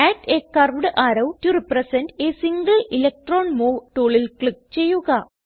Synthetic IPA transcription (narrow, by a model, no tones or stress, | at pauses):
æːʈekːɐrʋɽɨʔaːɾɐwturiprɐsɐndeːsiŋɡɐlilɐk̚ʈroːnmoːʋʈuːɭilkɭik̚t͡ɕe̞jːuɣɐ